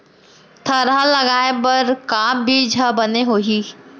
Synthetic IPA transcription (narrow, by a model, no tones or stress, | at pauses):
t̪ʰɐɾalɐɡaːepɐɾkãːbʱid͡ʒʱɐbɐneɦoːɦiː